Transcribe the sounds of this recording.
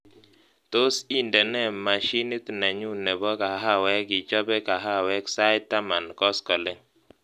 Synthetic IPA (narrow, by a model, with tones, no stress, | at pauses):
t̪o˦si˦ndɛ˨nɛ˦˨ma˨ʃi˦ni˦t̪na˨ɲu˦nɛ˨bɔ˦ka˨ɦa˦wɛ˦kɪ˨t͡ʃɔ˦bɛ˦ka˨ɦa˦wɛ˦ksa˦ɪ˦tːa˦ma˨nkɔ˦skɔ˨le˦